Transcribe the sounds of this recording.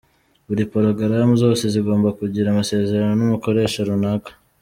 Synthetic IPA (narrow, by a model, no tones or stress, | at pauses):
βuɾipoɾoɡaɾamuzo̞ːse̞ziɡo̞ːmbakuɟiɾamase̞ːze̞ɾano̞numuko̞ɾe̞ːʃaɾunakḁ